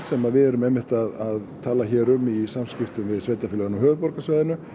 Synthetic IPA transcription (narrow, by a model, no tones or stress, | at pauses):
sɛmaðvɪðɛɾʏmɛmːɪht̪aðaðt̪ʰaːlaçɛːɾʏmisamscɪft̪ʏmvɪðsveːjt̪afɪlœɣʏnawɦœːvʏpɔɾkasvaːjðɪnʏ